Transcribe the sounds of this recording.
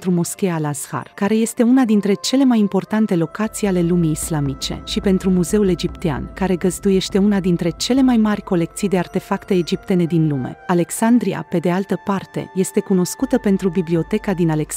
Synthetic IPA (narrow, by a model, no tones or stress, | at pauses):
t̪ɾumo̞skʲealazha̰rkaɾe̞je̞st̪e̞unad̪int̪ɾe̞t͡ʃe̞le̞majimpo̞rt̪ant̪e̞lo̞kat̪sijale̞lumiːslamit͡ʃe̞̰ʃipe̞nt̪ɾumuze̞ule̞d͡ʒipt̪ea̰nkaɾe̞ɡəzd̪uje̞ʃt̪e̞unad̪int̪ɾe̞t͡ʃe̞le̞majmarʲko̞le̞k̚t̪sijd̪e̞art̪e̞fakt̪e̞ːd͡ʒip̚t̪e̞ne̞d̪inlume̞̰ale̞ksand̪ɾia̰pe̞d̪e̞alt̪əpart̪e̞̰je̞st̪e̞kuno̞skut̪əpe̞nt̪ɾubiblio̞t̪e̞kad̪inalek